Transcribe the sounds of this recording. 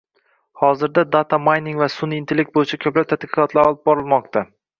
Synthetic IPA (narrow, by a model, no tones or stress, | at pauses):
hɒzɪɾd̪ad̪at̪ʰamajnɪŋvasʊnɪnt̪ʰelek̚t̪̚bojɪt͡ʃʰakʲʰɵplap̚t̪ʰat̪qɪɨ̥qɒt̪ʰlaɾɒlˠɪp̚bɒɾɪlˠmɒq̚t̪ʰa